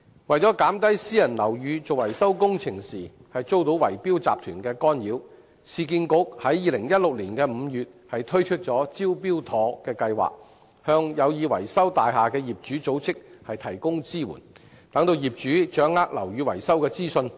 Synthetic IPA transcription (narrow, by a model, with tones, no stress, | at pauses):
wɐ˨jt͡sɔ˨˥kaː˨˥mt̪̬ɐ˥jsiː˥jɐ˨˩nlɐ˨˩wjyː˨˧t͡so˨wɐ˨˩jsɐ˥wkʊ˥ŋt͡sʰɪ˨˩ŋsiː˨˩hɐ˨jt͡so˥wt̪o˨˥wɐ̰˨˩jpiː˥wt͡saː˨p̚t̪ʰyː˨˩nkɛː˧kɔː˥njiː˨˥w | siː˨˧kiː˧nkʊ˧˥k̚hɐ˨˥jːiː˨˧lɪ˨˩ŋjɐ˥t̚lʊ˨k̚liː˨˩nkɛː˧m̩˨˧jyː˨t̚hɐ˨jt̪ʰɵ˥ɥt͡ʃʰɵ˥t̚t͡ʃɔː˨˥t͡siː˥wp̬iː˥wt̪ʰɔː˨˧kɛː˧kɐ˧jwa̰ː˨k̚ | hœː˧ŋjɐ˨˧wjiː˨˧wɐ̰˨˩jsɐ˥wt̪aː˨jɦaː˨kɛː˧jiː˨p̚t͡ʃyː˨˥t͡so˨˥wt͡sɪ˥k̚hɐ˨jt̪ʰɐ˨˩jkʊ˥ŋt͡siː˥wṵ˨˩n | t̪ɐ˨˥ŋt̪o˧wjiː˨p̚t͡ʃyː˨˥t͡ʃœː˨˥ŋːaː˥k̚lɐ̰˨˩wjyː˨˧wɐ˨˩jsɐ˥wkɛː˧t͡siː˥sɵ˧n